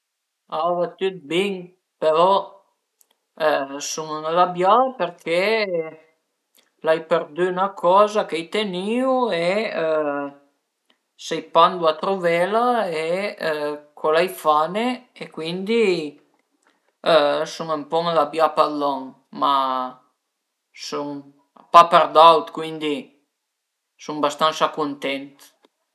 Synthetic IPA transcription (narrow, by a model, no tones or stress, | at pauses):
avat̪yt̪̚biŋ | peɾɔ | sumuməlabjapeɾkʰe | lajpeɾd̪ynakʰɔːzakɛjt̪eniwe | sɛjpand̪uat̪ɾovɛlae | kʰɔlajfaneekwind̪i | suŋəmpɔməðabjapalɔŋ | ma | suŋ | papɛɾd̪awt̪kwind̪i | sumbast̪ansakunt̪ɛnt̪